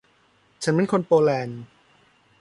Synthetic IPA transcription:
t͡ɕʰa˦˥nme˧˨nkʰo˧npoː˧lɛː˧n

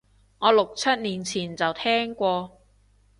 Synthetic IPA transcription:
ŋɔː˨˧lʊ˨k̚t͡sʰɐ˥t̪̚niː˨˩nt͡sʰiː˨˩nt͡sɐ˨wt̪ʰɛː˥ŋkʷɔː˧

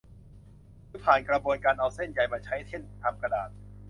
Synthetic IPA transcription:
ɯː˧˥pʰaː˨˩nkɾa˧bu˧ənkaː˧nʔa˧wse˥˩nja˨˩jmaː˧t͡ɕʰa˦˥jt̪ʰe˥˩nt̪ʰa˧mka˧daː˨˩t̪̚

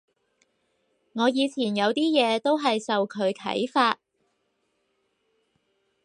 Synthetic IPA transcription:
ŋɔː˨˧jiː˨˧t͡sʰiː˨˩njɐ˨˧wt̪iː˥jɛː˨˧t̪o˥wɦɐ˨jsɐ˨wkʰɵ˨˧ɥkʰɐ̰˨˥jfaː˧t̚

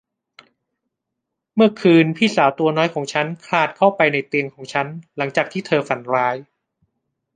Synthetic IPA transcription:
mɯ˥˩ɐkʰɯː˧npʰiː˥˩saː˩˦wt̪u˧ɐnɔː˦˥jkʰɔː˩˦ŋt͡ɕʰa˦˥nkʰlaː˧˨˩t̪̚kʰa˥˩wpa˧jna˧jt̪i˧əŋkʰɔː˩˦ŋt͡ɕʰa˦˥nla˩˦ŋt͡ɕaː˨˩k̚t̪ʰiː˥˩t̪ʰɤː˧fa˩˦nɾaː˦˥j

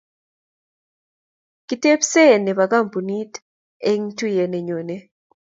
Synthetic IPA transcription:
ki˨˦te˦psɛ˦˨nɛ˨βa˨ka˦˨m˨pu˨ni˦t | e˦ŋ˦tu˦jɛ˨nɛ˨ɲo˨ne˦

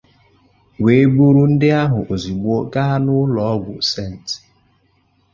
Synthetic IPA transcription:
we˨e˦ɡ͡bu˦ɾu˦n̩˦dɪ˦a˦ɦʊ˨ʔo˨zi˨ɡ͡bo˦ka˦a˦nʊ˦lɔ˨ɔ˦ɡʷʊ˨se˦˨n̩˨t

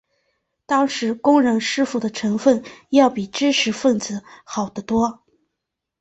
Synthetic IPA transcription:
t̪ɑ˥ŋʂɻ̩˧˥kʊ˥ŋɻɤ˧˥ŋʂɻ̩˥˧fu˥˩d̪ə˩ʈ͡ʂʰɤ˧˥ŋfə˥˩njɑ˥˩ʊpi˨˩ʈ͡ʂɻ̩˥ʂʰɻ̩˧˥fə˥˩nt͡sɹ̩˧˩xɑ˨˩ʊd̪ə˦t̪wɔ˥

